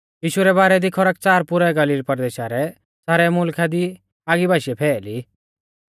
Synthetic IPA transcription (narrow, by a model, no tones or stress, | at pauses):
jiːʃʊɾɛbaːɾɛd̪ikʰɔɾək̚t͡saːɾpʊɾɛɡəliːɾpəɾd̪eːʃaɾɛ | t͡saːɾɛmʊlkʰad̪i | aːɡibʱaːʃɛpʰɛːli